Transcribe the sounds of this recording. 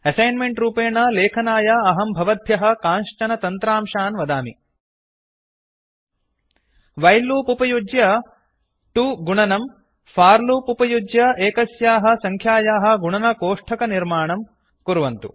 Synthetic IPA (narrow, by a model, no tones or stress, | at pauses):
ɐsɐjnmeɳʈɾuːpeːɳɐleːkʰɐnaːjaɐɦɐmbʱɐʋɐd̪ʱjɐɦɐ̆kaːnʂt͡ʃɐnɐt̪ɐnt̪ɾaːmʃaːnʋɐd̪aːmḭ | ʋɐjlːuːpupɐjud͡ʒjɐ | ʈuɡuɳɐnɐm | fʰaːɾluːpupɐjud͡ʒjɐeːkɐsjaːɦɐ̆sɐŋkʰjaːjaːɦɐ̆ɡuɳɐnɐkoːʂʈʰɐkɐniɾmaːɳɐm | kuɾuʋɐnt̪ṵ